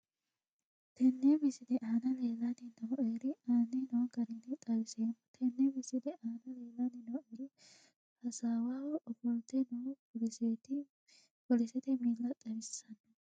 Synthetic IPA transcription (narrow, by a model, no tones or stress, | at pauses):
t̪ɛnːemɪsɪd̪ɛʔaːnɐleːlɐnɪnɐwʔeːɾɪaːnːɛnɔwɡɐɾɛnɪt̪ʼɐɾɪseːmɔt̪ʰɛnːɛmɪsɪd̪ɛʔaːnɐleːlɐnːɪnɐweːɾɪ | hɐsaːwaːwɔʔɔbɔlt̪ɛnɔ | se | kɔlɪsɛt̪ɪmiːlːɐt̪ʼɐɾɪsːɐnːɐ